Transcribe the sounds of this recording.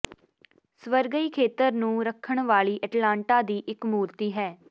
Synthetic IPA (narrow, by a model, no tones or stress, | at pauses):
sʋəɾɡəiːkʰeːt̪əɾnũːɾəkʰːəɳʋaːɭiːʔəʈlãːɳʈaːd̪iːʔɪkmuːɾt̪iːɦɛː